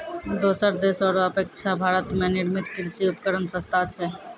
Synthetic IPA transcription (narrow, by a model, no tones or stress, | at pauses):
d̪oːsəɾd̪eːsɔːɾəpeːk̚t͡ʃʰabʱaːɾət̪mẽniɾmit̪kɪɾsiupəkəɾənsə̃st̪ʰat͡ʃʰɛ